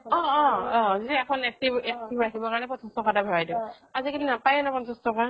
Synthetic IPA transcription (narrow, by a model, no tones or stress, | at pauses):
ɔːɔzitɛɛkʰɔnɛk̚tibɛktibɹakʰibɔkaɹɔnɛpɔtʰɔstʰɔkatabʱɔɹajdɔ | azikelinapajɛnapɔnsɔstɔka